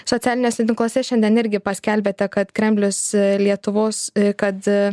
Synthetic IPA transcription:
soːt̪sʲæːlʲɪnʲoːsʲɪt̪ʲɪŋklˠoːsʲɛʃʲɛnʲd̪ʲiɛnɪɾʲɡʲɪpɐsʲkʲɛlʲbʲeːt̪ʲɛkɐt̪kɾʲɛmʲlʲʊslʲiɛt̪ʊʋoːskɐt̪

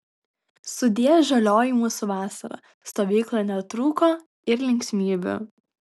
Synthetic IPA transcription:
sʊd̪ʲeːjɛʒɐlʲoːjɪmuːsʊʋɑːsɐɾɐ̰ | st̪oːʋʲiːklˠɐnʲɛt̪ɾuːkoː | ɪɾlʲɪŋʲkʲsʲmʲiːbʲʊ̰

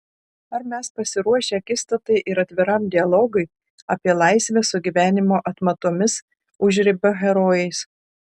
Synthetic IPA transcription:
ɐɾmʲɛspɐsʲɪɾuɔʃʲeːɐkʲɪst̪ɐt̪ɐɪʔɪɾɐt̪ʲʋʲɪɾɐmd̪ʲɪɐlˠɔɡʊɪ | ɐːpʲiɛlˠɑɪsʲʋʲɛsʊɡʲiʋʲæːnʲɪmoːʔɐt̪mɐt̪oːmʲɪs | ʊʒʲɾʲɪbʲoɣʲɛɾoːjɛɪs

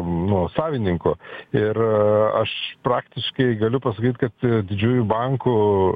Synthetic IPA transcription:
nusɑːʋʲɪnʲɪŋkoɪrɐʃpɾɑːkt̪ʲɪʃkɐɪɡɐlʲʊpɐsɐkʲiːt̪̚kɐt̪d̪ʲɪd͡ʒʲuːjʊbɐŋkʊ

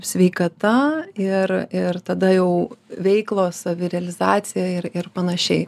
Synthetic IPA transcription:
sʲʋʲɛɪkɐt̪ɐɪrɪrt̪ɐd̪ɐjɛʊʋʲɛɪklˠoːsɐʋʲɪɾʲɛɛlʲɪzɑːt̪sʲɪjɛɪɾɪrpɐnɐʃʲɛɪ

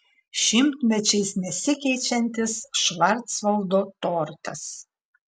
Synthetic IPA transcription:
ʃʲɪmʲt̪ʲmʲɛt͡ʃʲɛɪsnʲɛsʲɪkʲɛɪt͡ʃʲɛnʲt̪ʲɪsʃʋɐɾt̪sʋɐlˠd̪oːt̪oːɾt̪ɐs

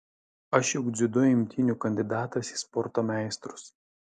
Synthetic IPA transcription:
ɐʃjʊɡd̪zʲɪd̪ʊɪmʲt̪ʲɪnʲuːkɐnʲd̪ʲɪd̪ɑːt̪ɐsi̥spɔɾt̪oːmʲæˑɪst̪ɾʊs

